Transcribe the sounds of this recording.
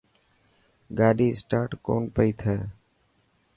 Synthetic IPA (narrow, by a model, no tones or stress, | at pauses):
ɡaːɗiːsʈaːʈko̰ːnpəiːt̪ʰɛː